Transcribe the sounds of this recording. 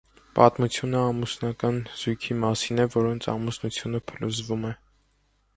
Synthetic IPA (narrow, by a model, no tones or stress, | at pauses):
pɑt̪mut͡sʰjunəɑmusnɑkɑnz̥ujkʰimɑsinɛvɔɾɔnt͡sʰɑ̰musnut͡sʰjunəpʰəluzvumɛ